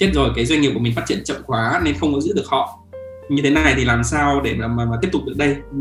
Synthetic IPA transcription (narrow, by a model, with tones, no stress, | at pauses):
t͡ɕe˦˥t̚zo˨˩jkaː˨˦jzwa˧ŋi˨˩p̚u˧˩mi̟˨˩fa˦˥t̚t͡ɕḭ˧˨ənt͡ɕə̰˧˨ŋ͡mxwaː˨˦ne˧nxə˧wkɔ˨˦zɨ̰˧˥ɗɨ˨˩ək̚hɔ̰˧˨ | ɲɨ˧t̪ʰe˨˦na˨˩jt̪ʰi˨˩laː˨˩msaː˧wɗe˧˩maː˨˩maː˨˩maː˨˩t̪i˦˥əp̚t̪k͡p̚ɗɨ˨˩ək̚ɗə˧j